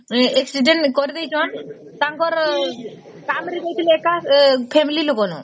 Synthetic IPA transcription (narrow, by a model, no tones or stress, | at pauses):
eksiɖeɳʈkɔɾid̪ejt͡ʃʰɔan | t̪aŋkɔɾ | kamɾid̪ejt̪ʰileekapʰemililoɡɔnu